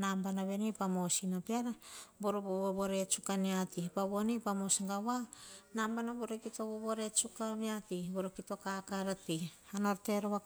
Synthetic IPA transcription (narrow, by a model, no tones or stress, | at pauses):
nambanaβenipamo̞sinapeaɾaboɾoboβoβoɾet͡ʃukaniatipaβonipamosiŋɡaβanambanaboɾokitoβoβoɾet͡ʃukaβiatiboɾokito̞kakaɾati | anoɾteɾoa